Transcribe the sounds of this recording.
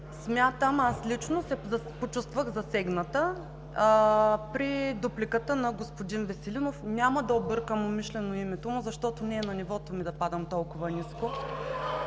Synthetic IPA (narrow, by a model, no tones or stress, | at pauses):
smʲjat̪əmaslit͡ʃnosɛzɐpot͡ʃust̪vəɣzɐsɛɡnət̪ə | pɾid̪uplikət̪ənɐɡospod̪invɛsɛlinofnʲaməd̪ɐobɤɾkəmomiʃlɛnoimɛt̪omʊzɐʃt̪ɔt̪ʊnʲiɛnɐnivɔt̪omid̪ɐpad̪əmt̪ɔlˠkʊvɐnisko